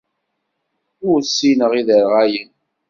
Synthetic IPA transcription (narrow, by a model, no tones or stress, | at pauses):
ʊɾsːinəʁiðəɾʁæjən